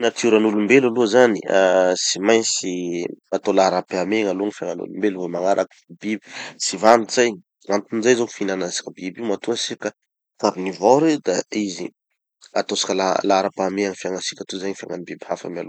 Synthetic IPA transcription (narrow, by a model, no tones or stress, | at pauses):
nat̪iuɾanulumbelaluzanḭsimajnsiat̪olaɾapameŋaluaŋifaŋanṵlumbelvamaŋaɾak | bibi̥sivaniz̥aj | amt̪unizajzoku̥finanasi̥kʲəbibimat̪uasikə | faɾinivaɾed̪aizḭ | at̪osḁkʲalalaɾapameaŋifiaŋasi̥kʲat̪uzaɲifia̰ŋanibibihafa̰ma̰lu